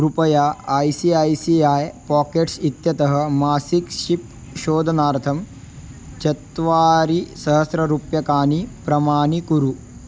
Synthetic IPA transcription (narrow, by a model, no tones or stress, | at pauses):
ɾupɐjaːaːjsiajsiaːjpaːkeːʈsit̪jɐt̪ɐɦɐ̆maːsikʃip̚ | ʃoːd̪ʱɐnaːɾt̪ʰɐm | t͡ʃɐt̪ʋaːɾisɐɦɐsɾɐɾupjɐkaːnipɾɐmaːɳikuɾu